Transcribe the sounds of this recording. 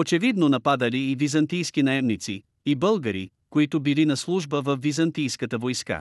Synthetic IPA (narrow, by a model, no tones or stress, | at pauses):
ot͡ʃɛvid̪nonɐpad̪əliːvizɐnt̪ijsk̟inɐɛmnit̪sḭ | ibəlˠɡəɾḭ | koit̪ʊbilinɐslˠuʒbəvɐfːizɐnt̪ijskət̪əvojska̰